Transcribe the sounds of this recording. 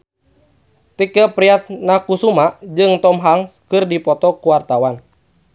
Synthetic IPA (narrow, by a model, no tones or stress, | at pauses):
t̪ikəpɾiat̪̚nakusumad͡ʒɨŋt̪ɔmɦaŋskɨrdipɔt̪ɔkuwart̪awan